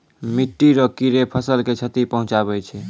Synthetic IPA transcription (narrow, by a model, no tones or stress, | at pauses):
miʈːiɾɔkiɾepʰəsəlket͡ʃʰət̪ipəɦũt͡ʃaβɛt͡ʃʰɛ